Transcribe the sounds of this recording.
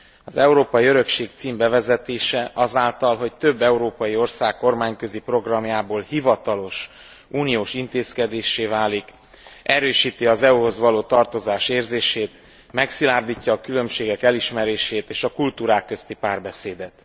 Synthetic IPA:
ɒzɛuɾoːpɒjiøɾø̞kʃeːk̚t̪siːmbɛvɛzɛt̪eːʃɛʔɒzaːlt̪ɒlɦo̞c̚t̪øbːɛuɾoːpɒjio̞rsaːkːo̞rmaːɲkø̞zipro̞ɡrɒmjaːboːlhivɒt̪ɒlo̞ʃ | ʔuːnijoːʃint̪eːskɛd̪eːʃeːvaːlik | ɛɾøːʃiːt̪iɒzɛuɦo̞zʋɒloːt̪ɒrt̪o̞zaːʃeːrzeːʃeːt̪ | mɛksilaːrd̪iːcːɒːkylø̞mʃeːɡɛkɛliʃmɛɾeːʃeːt̪eːʃɒkult̪uːɾaːkːø̞st̪ipaːrbɛseːd̪ɛt̪

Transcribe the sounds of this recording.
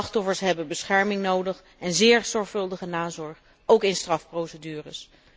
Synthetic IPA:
ɑχtɔfəɹsɦɛbənbəsχɛɹmɪŋnowdəχ | ɛnzɪːɹz̥ɔɹχfɵlˠdəχənaːzɔɹχ | ʔowkɪnstrɑfprowsədyːrəs

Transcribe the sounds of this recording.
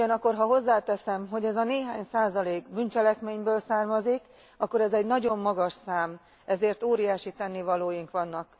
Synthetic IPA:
uɒnɒkːo̞rɦɒɦo̞zːaːt̪ɛsɛmɦo̞ɟɛzɒneːɦaːɲsaːzɒleːɡbyːnt͡ʃɛlɛkmeːɲbøːlsaːrmɒzik | ɒkːo̞ɾɛzɛɟnɒɟo̞mːɒɡɒʃsaːm | ɛzeːrt̪oːɾijaːʃit̪ɛnːivɒloːjiŋkʋɒnːɒk

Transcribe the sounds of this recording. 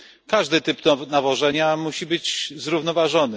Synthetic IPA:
kaʐd̪ɘt̪ɘp̪navɔʐɛɲamuɕibɘd͡ʑzɾuvnɔvaʐɔnɘ

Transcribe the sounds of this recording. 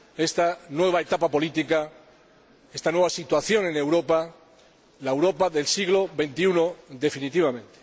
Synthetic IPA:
e̞st̪anwe̞β̞aet̪apapo̞lit̪ika | e̞st̪anwe̞βasit̪waθjo̞ne̞ne̞wɾo̞pa | laewɾo̞paðe̞lsiɣlo̞βe̞nt̪iunoðe̞finit̪iβ̞amẽ̞nt̪e̥

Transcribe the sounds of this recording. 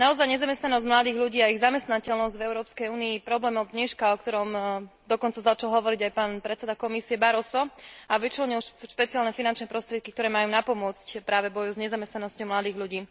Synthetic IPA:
naɔzajɲɛzamɛst̪nanɔzɟmlad̪iːɣʎuɟiːaiɣzamɛst̪nacɛlnɔzɟvɛʊɾɔːpskɛjuːniːpɾɔblɛːmɔd̪ɲɛʃkaɔkt̪ɔɾɔmd̪ɔkɔnt͡sazat͡ʃalɦɔʋɔɾiɟajpaːnpɾɛtt͡sɛd̪akɔmisiɛbaɾɔsɔaʋit͡ʃlɔɲilʃpɛt͡sialnɛfinant͡ʃnɛpɾɔst̪ɾɪɛt̪̚kik̚t̪ɔɾɛːmajuːnapɔmʊɔt͡scpɾaːʋɛbɔjuzɲɛzamɛst̪nanɔscɔʊmlad̪iːɣʎuɟiː

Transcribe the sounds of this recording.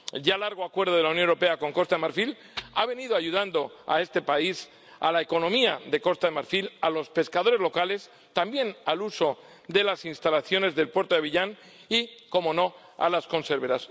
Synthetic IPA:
ʝalaɾɣ̞o̞akwe̞ɾð̞o̞ð̞e̞lauwnjoneɾo̞pe̞ako̞ŋko̞st̪aðemaɾfil | aβe̞niðoaʝuðand̪o̞a̰e̞st̪e̞pais | a̰laeko̞nõ̞miaðe̞ko̞st̪aðe̞maɾfilalo̞spe̞skaðo̞ɾe̞zlo̞kale̞s | t̪ambje̞naluso̞ | d̪e̞lasinst̪alaθjo̞ne̞zðe̞lpwe̞ɾt̪oðeiʎan | iko̞mo̞no̞ | a̰lasko̞nse̞ɾβe̞ɾas

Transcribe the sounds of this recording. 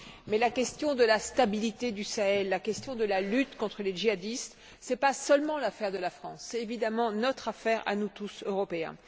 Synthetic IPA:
mɛlakʲɛst̪jɔ̃d̪əlast̪abilit̪ed̪ysaɛlːakʲɛst̪jɔ̃d̪əlalyt̪kɔ̃t̪χəleʒiad̪ist̪ | sɛpasœlmɑ̃lafɛʁd̪əlafχɑ̃sːɛt̪evid̪amɑ̃nɔt̪χafɛʁa̰nut̪usøʁɔpeɛ̰̃

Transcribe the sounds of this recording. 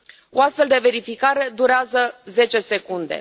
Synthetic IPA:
oast̪fe̞ld̪e̞ve̞ɾifikaɾe̞d̪uɾeazəze̞t͡ʃe̞se̞kund̪ḛ

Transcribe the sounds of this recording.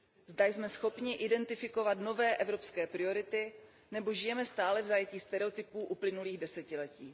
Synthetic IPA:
zdajsmɛsxo̞pɲɪʔɪdɛnt̪ɪfɪko̞vat̪no̞vɛːʔɛvɾo̞pskɛːpɾɪo̞ɾɪt̪ɪ | nɛbo̞ʒɪjɛmɛst̪aːlɛvzajɛciːst̪ɛɾɛot̪ɪpuːʔuplɪnuliːɣdɛsɛcɪlɛciː

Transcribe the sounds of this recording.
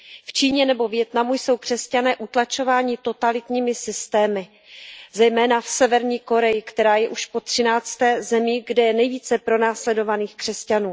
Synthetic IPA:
ft͡ʃiːɲɛnɛbo̞vjɛt̪namujso̞wkr̥ɛscanɛːʔut̪lat͡ʃo̞vaːɲɪt̪o̞t̪alɪt̪ɲiːmɪsɪst̪ɛːmɪ | zɛjmɛːnafsɛvɛɾɲiːko̞ɾɛjɪkt̪ɛɾaːjɛʔuʃpo̞t̪r̝̥ɪnaːt͡st̪ɛːzɛmiɡdɛjɛnɛjviːt͡sɛpɾo̞naːslɛdo̞vaniːxkr̥ɛscanuː

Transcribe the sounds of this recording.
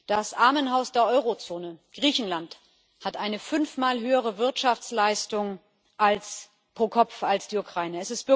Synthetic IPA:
d̥asʔaɐmənɦaʊsd̥eːɐʔɔʏʁot͡soːnəɡ̥ʁiːçn̩lant | hatʔaɪnəfʏnfmaːlɦøːəʁ̞əvɪɐtʃaft͡slaɪstʊŋ | ʔals | pʁ̥oːkʰɔfalsd̥iːukʁ̥aɪnəɛsɪstb̥ɪ

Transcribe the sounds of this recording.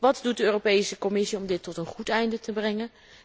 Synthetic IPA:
ʋɑtdut̚dəøːropejsəkɔmɪsiɔmdɪtːɔtənχutɛjndətəbrɛŋən

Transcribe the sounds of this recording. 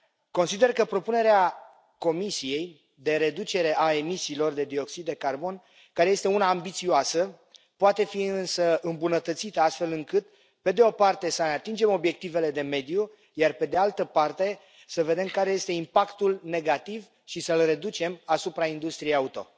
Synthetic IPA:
ko̞nsid̪e̞rkəpɾo̞pune̞ɾea | ko̞misije̞j | d̪e̞ɾe̞d̪ut͡ʃe̞ɾe̞ʔae̞misiːlo̞rd̪e̞d̪io̞ksid̪d̪e̞karbo̞n | kaɾeje̞st̪e̞unaːmbit̪sioasə | poat̪e̞fiɨnsəɨmbunət̪ət̪sit̪əast̪fe̞lɨŋkɨt̪ | pe̞d̪e̞o̞part̪e̞səneat̪ind͡ʒe̞mo̞bje̞k̚t̪ive̞le̞d̪e̞me̞d̪ju | jarpe̞d̪e̞alt̪əpart̪e̞ | səve̞d̪e̞mkaɾeje̞st̪e̞impakt̪ulne̞ɡat̪iv | ʃisəlre̞d̪ut͡ʃe̞masupɾaind̪ust̪ɾijejaut̪o̞̰

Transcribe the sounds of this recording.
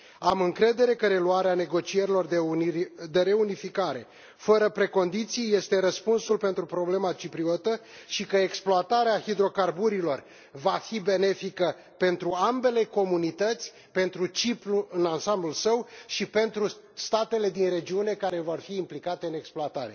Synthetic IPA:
amɨŋkɾe̞d̪e̞ɾe̞kəɾe̞luaɾeane̞ɡo̞t͡ʃie̞ɾilo̞r | d̪eɾe̞unifikaɾe̞̰ | fəɾəpɾe̞ko̞nd̪it̪sijje̞st̪e̞ɾəspunsulpe̞nt̪ɾupɾo̞ble̞mat͡ʃipɾio̞t̪ə | ʃikəeksploat̪aɾeahid̪ɾo̞karbuɾilo̞r | vafibe̞ne̞fikə | pe̞nt̪ɾuambe̞le̞ko̞munit̪ət̪sʲ | pe̞nt̪ɾut͡ʃipluɨnansamblulsəwʃipe̞nt̪ɾu | st̪at̪e̞le̞d̪inre̞d͡ʒiune̞kaɾe̞vo̞rfiːmplikat̪eɨne̞ksploat̪aɾe̞̰

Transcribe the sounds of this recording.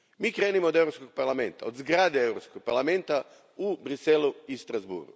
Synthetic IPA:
mikɾenimod̪ewɾoskoɡ̚paɾlamẽnt̪aod̪zɡɾad̪eɛwɾoskoɡ̚paɾlamẽnt̪a | ubɾisɛlʊist̪ɾazbṵɾɡʊ̰

